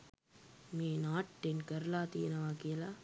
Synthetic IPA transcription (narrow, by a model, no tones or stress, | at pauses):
meːnaːʈːenkɐɾlaːt̪inɐʋaːkiɐla